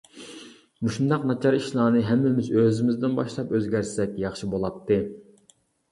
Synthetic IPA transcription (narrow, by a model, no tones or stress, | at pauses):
muʃund̪ɑqnɑt͡ʃʰɑɾiʃlˠɑːnɨɦɛmːɪmɪzøzɪmɪzd̪ɪnbɑʃlˠɑpøzɡʲæɾsɛkʲjɑχʃibolˠɑt̪ʰːɨ